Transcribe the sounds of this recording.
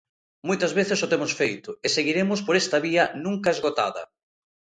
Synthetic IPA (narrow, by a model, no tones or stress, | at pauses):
mojt̪ɐzβeθɪsʊt̪emʊsfejt̪ʊeseɣiɾemʊspoɾɛst̪ɐβiɐnũŋkɐezɣot̪a̰ðɐ̰